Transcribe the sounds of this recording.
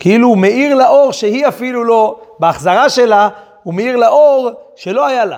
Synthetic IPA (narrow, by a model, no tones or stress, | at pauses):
kʰeilumeiʁlaʔo̞ʁʃehiafilulo̞beaχzaʁaʃela | umeiʁlaʔoʁʃe̞lo̞hajala